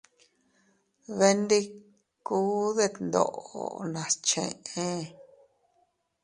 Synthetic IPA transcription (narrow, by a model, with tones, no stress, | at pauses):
βe˧nd̪i˦ | kuː˦ðe˧nd̪o̰˧˨ʔo̰˧nã˨st͡ʃḛ̃˧˨ʔẽ˦